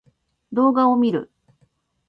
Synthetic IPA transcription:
d̪o̞ːɡao̞mʲiɾɯ̟̰

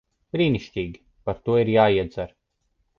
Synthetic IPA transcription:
b̥ɾiːniʃt̪ʲiːɡʲi | paɾt̪uɔiɾjaːiɛd̪zaɾ

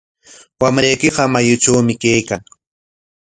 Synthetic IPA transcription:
wamɾajkɪɢɑmajʊt͡ʃawmɪkajkaŋ

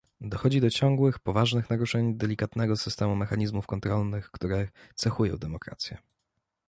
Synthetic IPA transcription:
d̪ɔxɔd͡ʑid̪ɔt͡ɕɔŋɡwɘxpɔvaʐnɘxnaɾuʂɛɲd̪ɛlʲikat̪nɛɡɔsɘst̪ɛmumɛxaɲizmufkɔnt̪ɾɔlnɘxkt̪uɾɛt̪sɛxujɔ̰̃w̃d̪ɛmɔkɾa̰t̪sʲjɛ

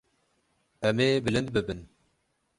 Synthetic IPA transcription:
ɛmeːbɨlɨnd̪̚bɨbɨn

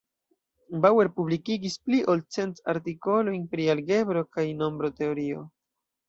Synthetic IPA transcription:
bawe̞ɾpublikiɡispliʔolt͡se̞nta̰ɾtiko̞lo̞jnpɾialɡe̞bɾo̞kajno̞mbɾo̞te̞o̞ɾio̞

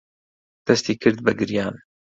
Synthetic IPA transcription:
d̪̥ɐst̪iːkʰɨɾd̪̚bɨɡɨɾjaːn

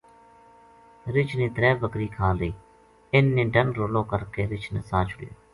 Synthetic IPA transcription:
ɾɪt͡ʃʰnẽːt̪ɾɛːʋəkɾiːkʰãːld̪əiː | ɪnːẽːɖənɾoːlõːkəɾkeːɾɪt͡ʃʰneːsãːt͡ʃʰʊɽɪ̰jo̰ː

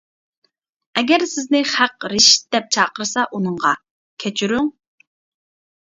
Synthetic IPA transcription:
ɛɡʲɛɾsɪznɪχæqɾɪʃt̪̚d̪̥ɛp̚t͡ʃʰɑːqəɾɨsɑʔunɨɴʁɑ | kʲʰɛt͡ʃʰyɾyŋ

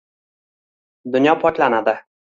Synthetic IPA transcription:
d̪ʊnjɒpʰɒt̪lanad̪ɪ

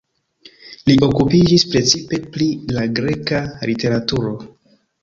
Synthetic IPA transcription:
liʔo̞kupid͡ʒispɾe̞t͡sipe̞plilaɡɾe̞kalite̞ɾatuɾo̞

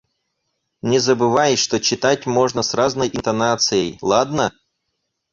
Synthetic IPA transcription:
nʲɪzəbɨvajɪʂt̪ot͡ɕɪt̪atʲmo̞ʐnəsraznəjʔɪnt̪ɐnat̪sɨjəjlˠad̪nə

